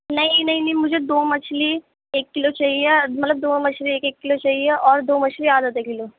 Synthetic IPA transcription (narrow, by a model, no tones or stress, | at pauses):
nɐɦĩnɐɦĩnɐɦĩmʊd͡ʒʱed̪oːmɐt͡ʃʰli | eːkːɪlot͡ʃaɦiemɐt̪ləb̚d̪oːmɐt͡ʃʰlieːkeːkːɪlot͡ʃaːɦieʔɔːɾd̪oːmɐt͡ʃʰliaːd̪ət̪eːkkɪloː